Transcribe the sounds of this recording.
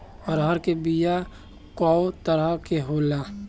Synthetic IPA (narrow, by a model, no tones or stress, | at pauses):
ɔɾɦəɾkebija | kɔːt̪əɾəkeɦoːlaː